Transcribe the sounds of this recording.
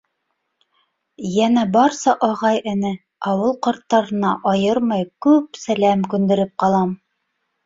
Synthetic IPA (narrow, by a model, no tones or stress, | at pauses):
jænæbɑɾsɑʔɑʁɑjɘ̆nɘ | ɑwɤlˠqɑɾt̪ːɑɾɤ̆nɑʔɑjɤɾmɤjkʉpsælæmkʉnd̪ɘ̆ɾɘp̚qɑlˠɑm